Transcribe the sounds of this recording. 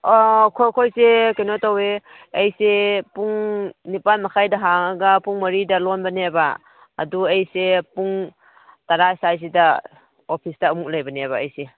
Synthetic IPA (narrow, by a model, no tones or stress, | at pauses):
kʰojkʰojsekenotawe | ejsepuŋnipanmakʰajdɐɦaŋaɡapuŋmɐɾidɐlɔnbɐneba̰ː | duejsepuŋ | taɾasajs̬ida | opʰisdaːmuk̚lajbaneβaejse